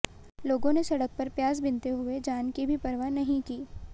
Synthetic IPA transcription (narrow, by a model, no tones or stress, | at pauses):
loːɡõnesɐɽək̚pɐɾpjaːzbɪ̃nt̪eɦʊed͡ʒaːnkibʱipɐɾʋanɐɦĩkiː